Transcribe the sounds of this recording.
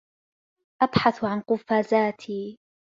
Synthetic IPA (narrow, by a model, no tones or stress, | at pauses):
ʔabħaθʕanqʊfaːzaːt̪ʰiː